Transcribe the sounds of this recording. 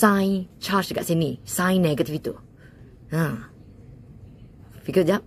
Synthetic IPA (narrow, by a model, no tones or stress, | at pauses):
sãj̃nt͡ʃat͡ʃɡa̰ʔsɛnĩsãj̃nːɛɡət̪ifit̪ṵ | ã | b̥ikɔsjap̚